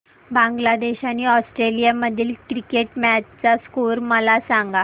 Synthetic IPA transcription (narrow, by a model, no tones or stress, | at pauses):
bãŋɡlad̪eɕaniːɔsʈɾelijaməd̪ʱiːlkɾikeʈmæt͡ɕt͡saskuɾməlasaŋɡa